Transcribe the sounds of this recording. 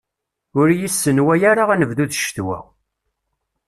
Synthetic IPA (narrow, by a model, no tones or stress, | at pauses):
ʊɾjisːənwæjaɾaʁænəvðuðʃt̪wæ̰w